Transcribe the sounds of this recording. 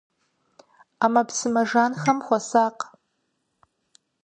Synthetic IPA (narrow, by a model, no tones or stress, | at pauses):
amɐpsɨmɐʒaːnxɐmχʷɔsaːq